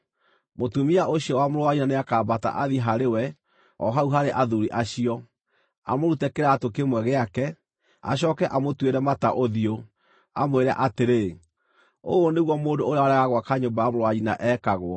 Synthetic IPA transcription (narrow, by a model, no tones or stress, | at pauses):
motumiaʔoɕijɔwamoɾwaɣinaneakaːbata̰ʔaðiɦaɾewɛ | ɔ̰ɦauɦaɾeʔaðuɾiʔaɕiɔ | a̰moɾutɛkeɾaːtokemwɛɣeakɛ | a̰ɕ̬ɔːkɛʔamotweɾɛmataʔoðio | amweɾɛ̰ʔateɾe | o̰oneɣwɔmoːndooɾeaaɾaɣaɣwakaɲombajamoɾwaɣina̰ʔɛːkaɣwɔ